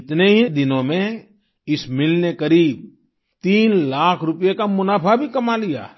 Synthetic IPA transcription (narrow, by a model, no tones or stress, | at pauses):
ɪt̪neɦid̪ɪnõmẽ | ɪsmɪlnekɐɾiːb̚ | t̪iːnlaːkʰɾʊpjekamʊnaːpʰabʱikɐmalija̰ː